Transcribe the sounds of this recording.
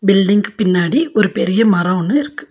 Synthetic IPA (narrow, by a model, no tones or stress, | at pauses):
bɪlɖɪŋɡpɪnːaːɽiʔɔɾɯpɛɾɪjɐmɐɾɐʋɔnːɯɪɾɯkːɯ̥